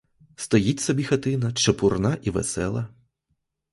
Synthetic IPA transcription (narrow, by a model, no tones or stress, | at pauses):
st̪ɔjitʲsɔbʲixɐt̪ɪnɐt͡ʃɐpurnaʔiʋḛsɛ̰lˠɐ